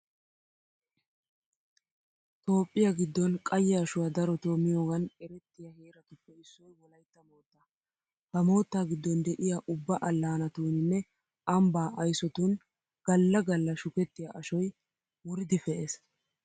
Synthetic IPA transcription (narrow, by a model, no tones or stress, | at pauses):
t̪o̞ːpʼːɪjɐɡɪd̪ːɔnkʼɐjːɛɐʃʊwɐd̪ɐɾɔt̪oːmɪjoːɡɐnɛɾɛt̪ːɪjɐheːɾɐt̪ʊpːɛɪsːɔjwɔlɐjt̪ːɐmo̞ːt̪ːɐ | hɐmo̞ːt̪ːaːɡɪd̪ːɔnd̪ɛʔɪjaʔʊbːɐʔɐlːaːnɐt̪uːnɪnːɛ | ʔɐmbaːʔɐjsɔt̪un | ɡ̥ɐlːɐɡɐlːɐʃʊkɛt̪ːɪjɐʔɐʃɔj | wʊɾɪd̪ɪfɛʔes